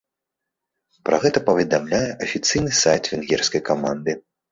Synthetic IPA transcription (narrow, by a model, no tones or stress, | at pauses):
pɾɐ̰ɣɛt̪ɐpɐvʲɛd̪amlʲajɛʔɐfʲit̪sɨjnɨsajt̪vʲɛnɣʲɛrskɐjkama̰nd̪ɨ